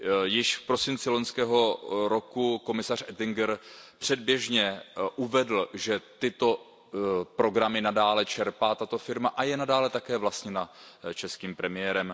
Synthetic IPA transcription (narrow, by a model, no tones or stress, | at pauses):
jɪʃfpɾo̞sɪnt͡sɪloɲskɛːɦo̞ɾo̞kuko̞mɪsar̝ʔɛt̪ɪŋɡɛɾpr̝̥ɛd̚bjɛʒɲɛʔuvɛdl̩ʒɛt̪ɪt̪o̞ | pɾo̞ɡɾamɪnadaːlɛt͡ʃɛɾpaːt̪at̪o̞fɪɾmaʔajɛnadaːlɛt̪akɛːvlast̪ɲɛnat͡ʃɛskiːmpɾɛmɪjɛɾɛm